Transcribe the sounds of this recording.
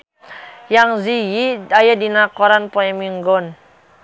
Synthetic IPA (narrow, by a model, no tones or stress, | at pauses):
jaŋzijiajadinakɔɾanpoɛmiŋɡɔn